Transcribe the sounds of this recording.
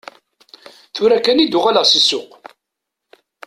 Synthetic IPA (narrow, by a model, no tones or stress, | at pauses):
θʊɾækːænid̪ʊʁaləʁsəsːʊq